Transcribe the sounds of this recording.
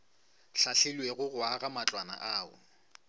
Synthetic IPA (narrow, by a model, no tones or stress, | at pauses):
ɬaɬelweɣʊɣʊaɣamat͡ɬʼwana̰ʔaːʊ̰